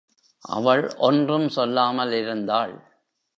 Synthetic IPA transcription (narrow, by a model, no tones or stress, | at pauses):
ʔɐ̰ʋɐɭʔɔndrɯmsɔlːaːmɐlɪɾɯnd̪aːɭ